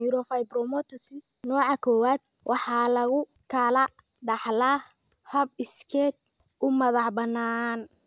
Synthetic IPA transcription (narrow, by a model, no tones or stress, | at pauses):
uɾɔfajbɾɔmɔt̪ʰɔsɪsnɔːʕɑkʰɔːwaːd̪̚ | wʔɑħɑːlɐɣʊkʰɐlɐ | ɖɑħlaːhɐbɪskʰɛːt̪̚ʊmɐðɑħbɐnːaːn